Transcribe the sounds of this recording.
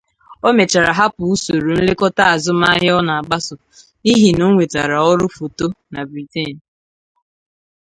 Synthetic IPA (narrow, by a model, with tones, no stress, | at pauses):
o˦me˨t͡ʃa˨ɾa˨ɦa˦pʊ˨u˦so˨ɾu˨n̩˦lɪ˦kɔ˦ta˦a˨zʊ˦ma˦ɦɪ˦ɔ˦na˨a˨ɡ͡ba˦sʊ˨ | i˦ɦi˨no˦ŋʷe˨ta˨ɾa˨ɔ˦ɾʊ˦fo˨to˦na˨bɾi˨te˦˨n̩